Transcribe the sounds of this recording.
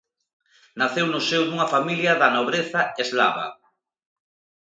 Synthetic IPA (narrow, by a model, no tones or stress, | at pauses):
naθewnʊsewðuŋɐfamiljɐðɐnoβɾeθɐezla̰βɐ̰